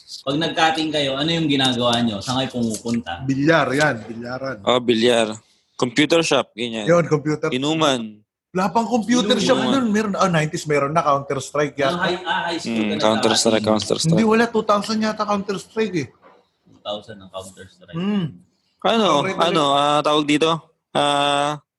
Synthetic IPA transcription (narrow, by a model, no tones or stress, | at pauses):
pɐɡ̚nɐɡ̚kaːt̪ɪŋkɐjo̞ʔɐnojʊŋɡɪnaːɡɐwaːɲo̞sɐŋajpʊmuːpʊnt̪ɐ̰bɪljaɾjanbɪljaːɾɐnʔobɪljaɾ | kompjuːt̪ɛɹʃap̚ɡɐɲanjonkompjuːt̪ɛɾɪnuːman | lahapɐŋkompjuːt̪ɛɾʃapd̪onmɛːɾonɐnajnt̪ɪsmɛːɾonːɐkawnt̪ɛɾst̪ɾajk̚jaajkawnt̪ɛɾst̪ɾa̰jkkːawnt̪ɛ̰ɾshɪnɾd̪iwɐlat̪ut̪awsɐnɲat̪ɐkawnt̪ɛɾst̪ɾajkɛ | ut̪awsɐnːɐŋkawnt̪ɛɾst̪ɾa | ʔɐnoɾajʔɐnoaːt̪aːwɐɡ̚d̪iːt̪o̞ | ʔaː